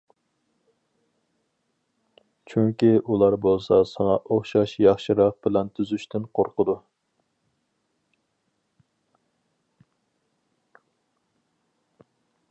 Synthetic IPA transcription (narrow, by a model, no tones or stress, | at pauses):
t͡ʃʰyŋkʲiʔulˠɑɾbolˠsɑsɑŋɑʔoχʃɑʃjɑχʃɪɾɑq̚bɪlɛnt̪ʰyzyʃt̪ɪnqʰoɾqəd̪u